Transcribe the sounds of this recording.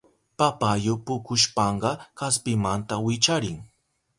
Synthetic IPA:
papajʊpʊkʊʃpɑɴɢɑkaspɪmant̪awɪt͡ʃaɾɪŋ

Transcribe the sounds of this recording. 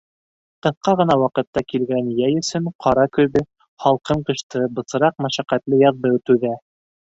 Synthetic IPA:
t̪ɤθqɑʁɤ̆nɑwɑqɤ̆t̪ːɑkilɡænjæjɵ̆sɵɴqʰɑɾɑkɵ̆βɘ | χɑlˠqɤɴqɤ̆ʃt̪ɤbɤ̆sɤ̆ɾɑq̚mæʃæqæt̪lɘjɑðdɤwt̪ʉðæ

